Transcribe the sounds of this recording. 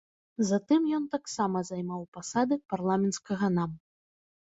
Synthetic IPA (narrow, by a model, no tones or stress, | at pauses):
zat̪ɨmjɔnt̪aksamɐzajmawpasad̪ɨparlˠamʲɛnt̪skɐɣɐnam